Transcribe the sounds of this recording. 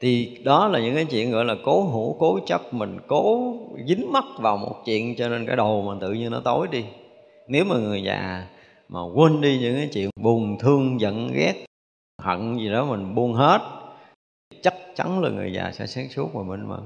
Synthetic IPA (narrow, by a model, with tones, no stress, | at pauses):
t̪ʰi˨˩ɗɔ˨˦laː˨˩ɲɨ̰˧˥ŋkaː˨˦jt͡ɕwḭ˧˨ənɣɔ̰˧˨jlaː˨˩ko˨˦ɦu˧˥ko˨˦t͡ɕə˦˥p̚mï˨˩ŋ̟ko˨˦zi˨˦ŋma˦˥t̚vaː˨˩wmo̰˨˩t̚t͡ɕḭ˧˨ənt͡ɕɔ˧ne˧nkaː˨˦jɗo˨˩ma˨˩t̪ɨ̰˧˨ɲɨ˧nɔ˨˦t̪o˨˦jɗi˧ | ne˨˦wmaː˨˩ŋɨ˨˩əjza̰ː˨˩ | maː˨˩kwə˧nɗi˧ɲɨ̰˧˥ŋkaː˨˦jt͡ɕḭ˧˨ənɓu˨˩əŋt̪ʰɨ˧əŋzə̰˧˨nɣɛ˦˥t̚ | hə̰˧˨nzi˨˩ɗɔ˨˦mï˨˩ŋɓu˧ənɦe˦˥t̚ | t̪ʰi˨˩t͡ɕa˦˥t̚t͡ɕa˨˦nlaː˨˩ŋɨ̰˨˩əjza̰ː˨˩sɛ̰˧˥saː˨˦ŋsu˦˥ək̚maː˨˩mi˨˩ŋ̟mə̰˧˩